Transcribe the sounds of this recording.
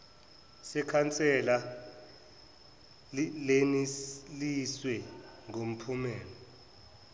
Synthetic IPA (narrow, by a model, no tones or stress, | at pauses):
sɛkʰant͡sʼɛla | leniliswɛŋom̩pʰumɛːlɔ